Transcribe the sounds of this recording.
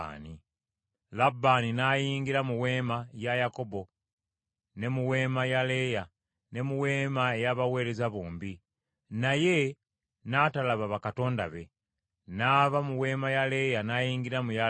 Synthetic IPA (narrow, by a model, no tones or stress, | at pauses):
ni | labːaːninajiːŋɡiɾamuwe̞ːmajajako̞bo̞ | ne̞muwe̞ːmajale̞ja | ne̞muwe̞ːmaejaβawe̞ːɾe̞zaβuːmbi | naje̞ | natalaβaβakato̞ːnda̰βe̞ | naːβamuwe̞ːmajale̞janajiːŋɡiɾamuja